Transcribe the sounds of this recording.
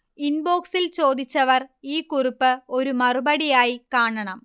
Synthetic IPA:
inbo̞ːksilt͡ɕo̞ːd̪it͡ɕːɐʋɐriːkuripːɨoɾumɐrubɐɽijaːjikaːɳɐɳɐm

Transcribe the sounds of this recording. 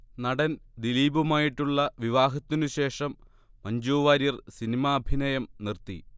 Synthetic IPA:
nɐɽɐnd̪iliːbumaːjiʈːuɭːɐʋiʋaːɦɐt̪ːinuɕe̞ːʂɐmː | ɐɲd͡ʑuːʋaːɾjɐrsinimaːbʱinɐjɐmnirt̪ḭ

